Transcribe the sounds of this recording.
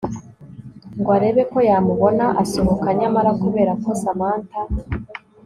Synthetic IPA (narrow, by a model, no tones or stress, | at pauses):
ŋɡwaɾe̞βe̞ko̞jamuβo̞naʔaso̞ho̞kaɲamaɾakuβe̞ːɾakosamaːnta